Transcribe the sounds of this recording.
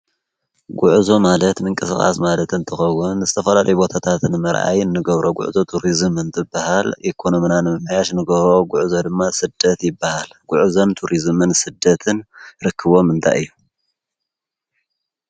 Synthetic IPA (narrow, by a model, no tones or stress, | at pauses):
ɡʊʕzo̞malɐt̪mɨŋkʼɨsɨxʼa̰smalɐt̪ɨnt̪ʰɨxɐwːʊnzɨt̪ʰɐfɐlalɐjubo̞t̪ʰat̪ʰat̪nɨmɐɾʔa̰jɨnːɨɡɐβɾo̞ɡʊ̰ʕzo̞t̪ʰuɾizmɨnt̪ʰɨbːahalʔikʰo̞no̞mnanɨmɐmajaʃnɨɡɐβɾo̞ɡʊʕzo̞d̪ɨmːasɨd̪̥ːɐt̪jɪbːahalɡ̥ʊʕzont̪ʰuɾizmɨnsɨd̪ːɐt̪ʰɨnɾɨkʰːɨβo̞mɨnt̪ʰa̰jɨjːu